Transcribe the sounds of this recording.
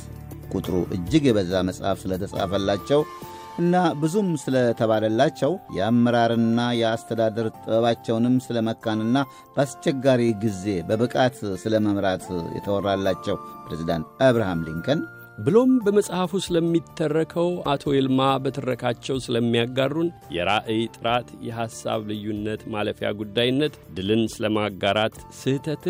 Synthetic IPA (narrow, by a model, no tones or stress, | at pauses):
kʼut̪ʼɾṵʔɨ̰d͡ʒːɪɡɛbəzːaməsʼha̰fsɨlət̪ʰəsʼa̰fəlːat͡ʃːɛw | ʔɨnːabɨzumsɨlət̪ʰəβaləlːat͡ʃːɛwjɛamːəɾaɾɨnːajɛast̪ʰəd̪ad̪əɾt̪ʼɨbəβat͡ʃːɛwnɨmsɨləməkːanɨnːa | b̥əast͡ʃːɛɡːaɾiɡize̞bəbɨkʼat̪sɨləməmɾat̪jɛ̰t̪ʰəwɔrːalːat͡ʃːɛwpɾezid̪a̰nt̪əβɾahamlḭŋkʰən | bɨlo̞mbəməsʼhafusɨləmːit̪ʰːərːəkʰəwat̪ʰo̞jelmabət̪ʰɨrːəkʰat͡ʃːɛwsɨləmːijaɡːarːunjɛɾaʔɨjt̪ʼɨɾat̪jɛɦasːa̰βlɨjːunːət̪maləfja̰ɡud̪ːajɪnːət̪d̪ɨlɨnsɨləmaɡaɾat̪sɨht̪ʰət̪